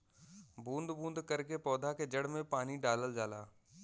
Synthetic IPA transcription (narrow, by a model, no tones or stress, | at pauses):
bũːnd̪bũːnd̪kɐɾkepɔːd̪ʱaked͡ʒɐɽ̤mẽpaːniɖaːləld͡ʒaːlaː